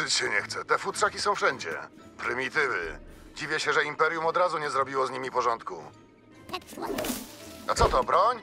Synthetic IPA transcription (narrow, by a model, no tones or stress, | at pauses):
ɨt͡ɕɕɛɲɛxt̪sɛt̪ɛfut̪ʂakʲisɔ̃w̃fʂɛɲd͡ʑɛ̰ | pɾɘmʲit̪ɘvɘ̰d͡ʑivʲjɛɕɛʐɛimpɛɾjumɔd̪ɾazuɲɛzɾɔbʲiwɔzɲimʲipɔʐɔnt̪ku | a̰t̪sɔt̪ɔbɾɔɲ